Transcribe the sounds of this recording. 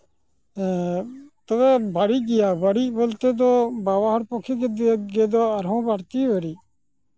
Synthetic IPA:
t̪oʋɛːbʱaɽiːɡɪjaːbʱəɽiːboːlt̪eːd̪oːbaːʋaːɦəɾpoːkʰiːɡeːd̪eɡeːd̪oːəɾɦõːbaːɽt̪iːʋəɾiː

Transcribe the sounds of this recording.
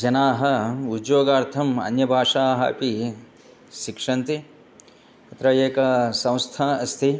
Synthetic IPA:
d͡ʒɐnaːɦɐudjoːɡaːɾt̪ʰɐmɐ̰njɐbʱaːʂaːɦɐ̰pi | ʃikʂɐnt̪i | ɐt̪ɾɐjeːkɐsɐ̃w̃st̪ʰaːɐst̪ʰi

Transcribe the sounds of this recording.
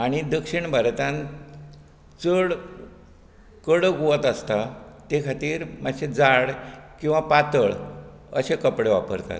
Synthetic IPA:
aɽ̃id̪əkʂiɳbʱəɾt̪ãn | t͡səɭ | kəɽəɡuʋət̪əst̪at̪ekʰat̪iːɾmaɕed͡zaɽkĩw̃ʋapat̪əɭ | əɕekəpɽeʋapəɾt̪a̰t̪

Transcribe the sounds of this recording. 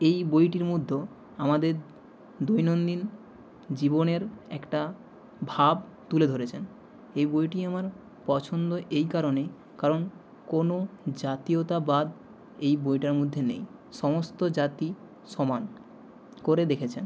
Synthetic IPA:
ejbojʈiɾmod̪ʱːo | amad̪eɾ | d̪ojnond̪in | d͡ʑiboneɾɛ̰kʈa | bʱab | t̪uled̪ʱoɾet͡ɕʰen | ejbojʈiamaɾ | pɔt͡ɕʰond̪oʔejkaɾone | kaɾon | konod͡ʑat̪iot̪abad̪ | ejbojʈaɾmod̪ʱːenḛjʃɔmost̪od͡ʑat̪i | ʃɔman | koɾed̪ekʰet͡ɕʰen

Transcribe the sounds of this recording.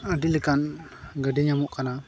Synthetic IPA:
adiləkanɡadɛɲamuʔkana

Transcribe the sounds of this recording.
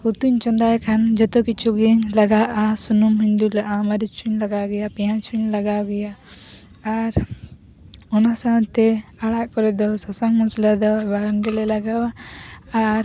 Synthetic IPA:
kut̪uɲt͡ʃɔnd̪ajkʰand͡ʒɔt̪ɔkit͡ʃʰuɡɛɲlaɡaʔasunumhiɲd̪ulaʔamaɾit͡ʃʰuɲlaɡaɡɛjapɛjãt͡ʃuɲlaɡaɡɛjaː | ɾ | ɔnasawt̪ɛaɽaʔkɔɾɛd̪ɔsɔsaŋmɔslad̪ɔbaɡɳɖɛlɛlaɡawaː | ɾ

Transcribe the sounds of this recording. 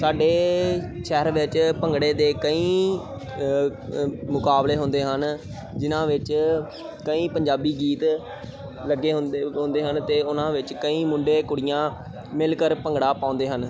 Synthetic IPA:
saːɖeː | ʃɛːɾʋɪt͡ʃpəŋɡɽeːd̪eːkəĩː | mʊkaːbleːɦʊ̃nd̪eːɦən | d͡ʒɪnãːʋɪt͡ʃ | kəĩːpəɲd͡ʒaːbiːɡiːt̪ | ləɡːeːɦʊɦʊ̃nd̪eːɦənt̪eːʊnãːʋɪt͡ʃkəĩːmʊ̃ɳɖeːkʊɽijãː | mɪlkəɾpəŋɡɽaːpaːʊ̃nd̪eːɦən

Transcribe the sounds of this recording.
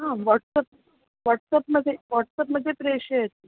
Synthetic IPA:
ɦãʋɔʈsəp̚ | ʋaʈsəpməd̪ʱːjeʋɔʈsəpməd̪ʱjepɾeɕeet̪i

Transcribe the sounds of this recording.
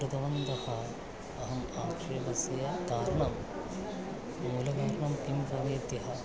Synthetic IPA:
ɾud̪ɐʋɐnd̪ɐhɐ | ɐɦɐmaːkʂɐjɐbɐsjɐd̪aːɾɐɳɐm | muːlɐɡaːɾɐɳɐmkimpɐʋeːt̪jɐɦɐ

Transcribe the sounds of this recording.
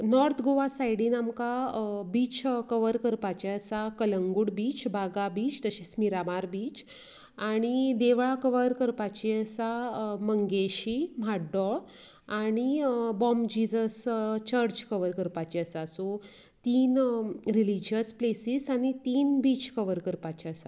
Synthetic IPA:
nɔɾt̪ʰɡoʋasajɽinamkabiːt͡ɕkəʋəɾkəɾpat͡ɕiəsakələŋɡuɽbiːt͡ɕbʱaɡabiːt͡ɕt̪əɕismiɾamaɾbiːt͡ɕ | aɽ̃id̪eʋɭakəʋəɾkəɾpat͡ɕiəsaməŋɡeɕimaɖɔɭ | aɽ̃ibɔmd͡ʑid͡zəst͡ɕəɾd͡ʑkəʋəɾkəɾpat͡ɕiəsaso | t̪iːnɾilid͡ʑəsplesiːsaɽ̃it̪iːnbiːt͡ɕkəʋəɾkəɾpat͡ɕiəsa̰

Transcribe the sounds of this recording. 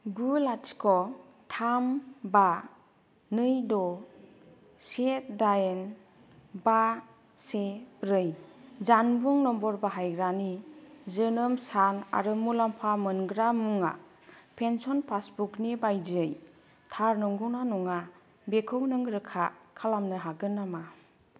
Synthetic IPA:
ɡulatʰkʰɔ | tʰamba | nɯjdɔ | set̚dajen | ba | sepɾɯjzanbuŋnɔmbɔɾbaɦajɡɾanizɯnɯmsana̰ɾɯmulampʰamɯnɡɾamuŋa̰ | pʰensɔnpʰasbuknibajd͡ʒɯj | tʰaɾnɯŋɡunanɔŋa | bekʰɯwnɯŋɡɾɯkʰakʰalamnɯɦaɡɯnːama

